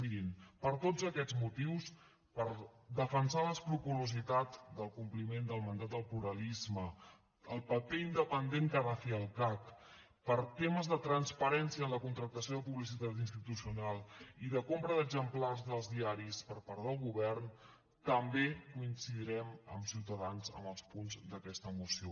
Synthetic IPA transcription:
iɾinpəɾt̪od͡zəkɛd͡zmut̪iws | pəɾd̪əfənsaləspɾukuluzit̪at̪d̪əlˠkumplimend̪əlˠmənd̪at̪̚d̪əlˠpluɾəlizmə | əlˠpəpeind̪əpənd̪eŋkarafiəlˠkak | pəɾt̪eməzðət̪ɾənspəɾɛnsiəːnləkunt̪ɾək̚t̪əsijoðəpuβlis̬it̪at̪inst̪it̪usiunalˠiðəkompɾəðəɡzəmplarzðəlˠzðiaɾispəɾpaɾt̪əlˠɣuβɛrn | t̪əmbekuinsiðiɾɛmə̰msiwt̪əðanzə̰məlˠspunzd̪əkɛst̪əmusio

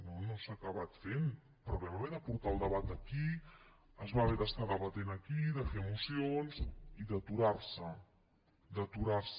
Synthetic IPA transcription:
nonosakəβ̞at̪fen | pɾɔβɛβaβɛðəpuɾt̪aəlˠd̪əβat̪̚əki | əzβaβɛðəst̪aðəβət̪enəkiðəfeəmusionziðət̪uɾaɾsə | d̪ət̪uɾaɾs

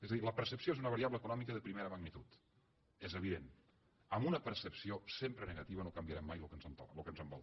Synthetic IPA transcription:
ezəðiləpəɾsəpsioezunəβəɾiaβləːkunɔmikəðəpɾimeɾəməɣnit̪ut̪ | ezəβ̞iðen | əmunəpəɾsəpsiosempɾənəɣɐt̪iβənokəmbiəɾɛmːajlukənzənt̪ɔ̰lukənzəmbɔ̰lˠt̪

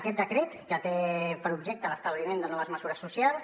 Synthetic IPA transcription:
kɛt̪̚d̪əkɾet̪ʒat̪epəɾubʒɛk̚t̪ələst̪əβlimẽnd̪ənɔβəzməzuɾəsːusjalˠs

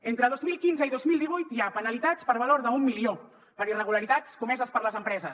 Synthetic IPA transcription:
ent̪ɾəð̞ozmilˠkinzəiðozmilˠd̪iβ̞ujt̪japənəlit̪at͡spəɾβəloɾðəumːilio | pəɾirəɣ̞uləɾit̪at͡skumɛzəspəɾləzəmpɾɛzəs

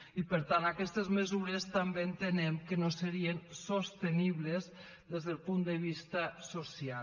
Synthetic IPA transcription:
ipəɾt̪anakɛst̪əzməzuɾest̪ambeːnt̪ənɛmkənosəɾiensost̪eniβlez | ðezðəlˠpund̪əβ̞ist̪əsosia

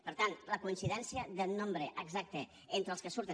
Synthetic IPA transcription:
pəɾt̪ant̪ləkuinsiðɛnsiəðənːombɾəʔəɡzak̚t̪e | ent̪ɾəlˠskəsuɾt̪ə

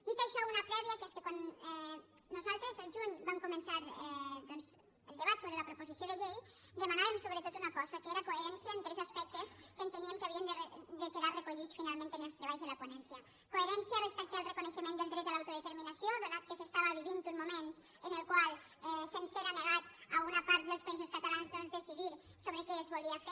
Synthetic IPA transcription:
d̪it̪ajʃɔunapɾɛβiakeskekwanɛ | nuzalˠt̪ɾezalʒuɲbamkumensaɾɛd̪ɔnz | əlˠd̪eβat̪soβɾelapɾoposisioðeʎej | d̪emanaβemsoβɾet̪ot̪unakɔzakeeɾakoeɾɛnsjaent̪ɾɛzaspɛk̚t̪eskeːnt̪eniemkaβiend̪erd̪ekeðaɾrekoʎit͡sfinalmẽnt̪enelst̪ɾeβajzðelaponɛnsja | koeɾɛnsjarespɛk̚t̪əːlˠrekoneʃəmẽneld̪ɾɛt̪alawt̪oðet̪eɾminasioðelat̪̚kəsest̪aβaβiβint̪unmument̪ | ənelˠkwalˠ | ɛsenseɾaneɣat̪alɣunapaɾt̪̚d̪elspaisoskat̪alanzðɔnzðesiðiɾ | soβɾekeːzβolˠiafe

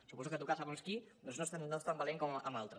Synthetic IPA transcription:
supɔsukət̪ukasaβonskid̪onznost̪annost̪ambaleŋkomə̰malˠt̪ɾə

